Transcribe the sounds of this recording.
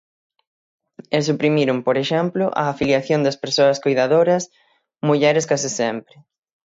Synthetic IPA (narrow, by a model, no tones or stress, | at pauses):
esupɾimiɾʊmpoɾeʃɛmplʊʔɐ̰ːfiljaθjõnd̪ɐspeɾsoɐskojðaðoɾɐs | muʎɛɾɪskasɪsɛmpɾɪ